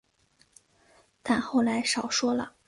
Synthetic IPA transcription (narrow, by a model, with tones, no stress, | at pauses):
t̪a˥˧nxo˥˩ʊla˧˥ɪʂɑ˨˩ʊʂwɔ˥lə̰˨